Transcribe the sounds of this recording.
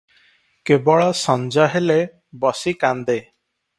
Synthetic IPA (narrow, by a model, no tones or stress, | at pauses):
kebɔɭɔsɔnd͡ʒaɦele | bɔsikand̪e